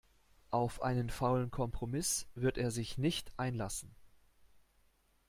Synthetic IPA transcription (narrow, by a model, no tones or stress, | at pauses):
ʔaʊfʔa̰ɪnənfaʊlənkʰɔmpʁ̥omɪsv̥ɪɐteːɐzɪçnɪçtʔaɪnlasn̩